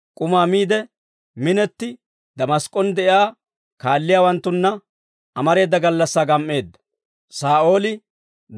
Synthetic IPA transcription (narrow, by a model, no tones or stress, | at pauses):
kʼʊmaːmiːd̪ɛ | mɪnɛt̪ːɪ | d̪ɐmɐskʼːɔnd̪ɛʔjaː | kaːlːɪjaːwɐnt̪ːʊnːɐ | ʔɐmɐɾe̞ːd̪ːɐɡɐlːɐsːaːɡɐmːe̞ːd̪ːɐ̥ | saːʔo̞ːlɪ